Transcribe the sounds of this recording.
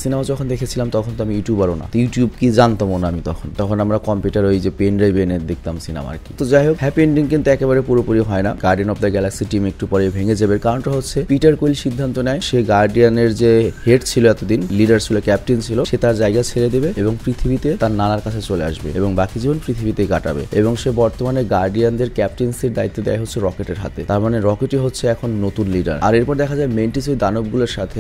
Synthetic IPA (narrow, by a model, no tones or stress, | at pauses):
sinamad͡ʑɔkʰond̪ekʰet͡ɕʰilamt̪ɔkʰont̪oamijuʈijubaɾona̰t̪juʈjubkid͡ʑant̪amonaamit̪ɔkʰont̪ɔkʰonamɾakɔmpuʈaɾojd͡ʑepenɖɾajbened̪ek̚t̪amsina̰ma̰ɾkit̪od͡ʑaɦokhɛpenɖiŋkint̪uɛkeβaɾepuɾopoɾiɦɔenaɡ̥aɾɖianɔb̚d̪aɡɛlaksiʈimek̚ʈupɔɾebʱeŋed͡ʑebeɾkaɾonʈaɦotːɕʰepiʈaɾkojlʃid̪ʱːant̪onɛeʃeɡaɾɖianeɾd͡ʑeheʈt͡ɕʰiloɛt̪od̪inliɖaɾt͡ɕʰilokɛp̚ʈint͡ɕʰiloʃet̪aɾd͡ʑaeɡat͡ɕʰeled̪ebeeboŋpɾit̪ʰibit̪et̪aɾnanaɾkat͡ɕʰet͡ɕolea̰ʃbḛeboŋbakid͡ʑibonpɾit̪ʰibit̪eɡaʈa̰bḛeboŋʃebɔɾt̪omaneɡaɾɖiand̪eɾkɛp̚ʈinsd̪eɾd̪ait̪ːod̪eaɦotːɕʰeɾɔkeʈeɾɦa̰t̪et̪aɾmaneɾɔkeʈiɦotːɕʰeɛkʰonːot̪unliɖa̰ɾa̰ɾeɾpɔɾd̪ɛkʰad͡ʑaemenʈis̬ojd̪anob̚ɡuloɾʃat̪ʰe